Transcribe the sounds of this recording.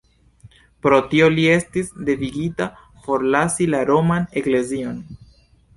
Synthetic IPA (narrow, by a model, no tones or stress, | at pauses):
pɾo̞tio̞lie̞stisde̞viɡita | fo̞ɾlasilaɾo̞mane̞kle̞zio̞n